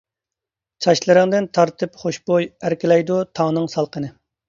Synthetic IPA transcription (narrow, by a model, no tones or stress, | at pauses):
t͡ʃʰɑʃlˠɨɾɨŋd̪ɪnt̪ʰɑɾt̪ʰɨpχoʃbojæɾkʲɪlɛjd̪ut̪ʰɑŋnɨŋsɑlˠqʰənɨ